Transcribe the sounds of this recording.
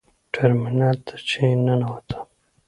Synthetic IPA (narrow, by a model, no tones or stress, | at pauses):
ʈʰaɾminɑlt̪ʰḁt͡ʃʰenanawat̪ʰḁ